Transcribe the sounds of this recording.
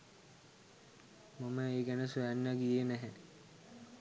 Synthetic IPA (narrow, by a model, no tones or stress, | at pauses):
maməeːɡænəsuænːəɡijenæɦæ